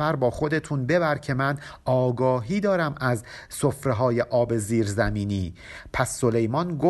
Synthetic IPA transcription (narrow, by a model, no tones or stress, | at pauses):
æɾbɒːxo̞d̪e̞t̪ʰunbe̞bæɾcʰe̞mænʔɒːɡɒːɦiːd̪ɒːɾæmæz | sofɾeɦɒːjeʔɒːbe̞ziːɾzæmiːniːpʰæsːo̞le̞jmɒnɡo